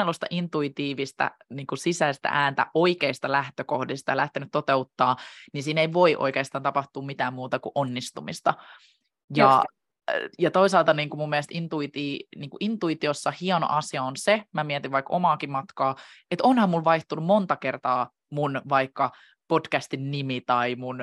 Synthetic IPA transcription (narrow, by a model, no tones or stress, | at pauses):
elust̪ɑ̰ʔint̪uit̪iːʋist̪æ̰niːŋkusisæist̪æ̰ʔæːnt̪æ̰ʔoikeist̪ɑlæht̪økohdist̪ɑjɑlæht̪enyt̪tot̪eut̪ːɑːninsiːneiʋo̞iʔo̰ikeːst̪ɑːnt̪ɑpɑht̪uːmmit̪æːmmuːt̪ɑkuʔonːist̪umist̪ɑ | jɑ | jɑt̪oisɑːlt̪ɑniːŋkumumːiɛlst̪int̪uit̪iːniːŋkuʔint̪uit̪iosːɑhiɑno̰ʔɑsiɑonsemæmiɛt̪iʋʋɑiko̰mɑːkimɑt̪kɑːet̪onhɑmmulʋɑiht̪unummont̪ɑkert̪ɑː | munʋɑikːɑ | podkæst̪innimit̪ɑimun